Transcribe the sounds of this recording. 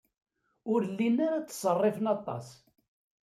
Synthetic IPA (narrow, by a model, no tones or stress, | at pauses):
ʊɾlːinaɾat͡sːə̥sˤərˤːɪfənɑt̪ˤːɑ̰s